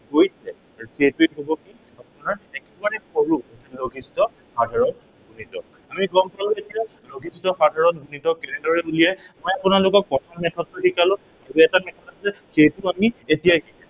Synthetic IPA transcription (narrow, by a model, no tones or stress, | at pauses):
kojsɛ | xejtueɦobɔki | apʊnaɹɛkɛbaɹɛxoɹuloɡʱistɔ | xadʱaɹɔn | ɡunitɔk | amiɡɔmpalʊ̃etija | loɡʱistɔxadʱaɹɔnbunitɔkɛnɛdɔɹɛulijajmojapʊnalʊkɔk̚ːɔtʰamɛtʰɔdːʊkikalʊ̃ | auɛtamɛtʰɔtasɛxejtʊamietijakikã